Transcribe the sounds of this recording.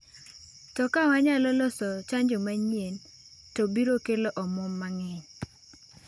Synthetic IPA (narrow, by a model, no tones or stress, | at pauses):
tɔkawaɲalɔlɔsɔt͡ʃaɲd͡ʒɔmaɲien | tɔbiɾokeloʔɔmɔmːaŋɛɲ